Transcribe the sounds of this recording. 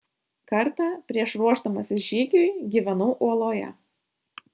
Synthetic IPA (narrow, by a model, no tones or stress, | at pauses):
kɐɾt̪ɑpʲɾʲiɛʃɾuɔʒd̪ɐmɐsʲɪʒʲiːɡʲujɡʲiːʋʲɛnuːʔuɔlˠoːjɛ̰